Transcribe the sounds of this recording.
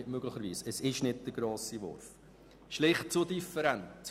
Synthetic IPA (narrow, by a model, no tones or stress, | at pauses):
ɪtmøɡ̥lɪχəɾʋiːsəsɪʃnɪd̚d̥əɡ̥ɾoːsiʋɔ̰ɾf | ʃlɪχt̚t͡sudifəɾænt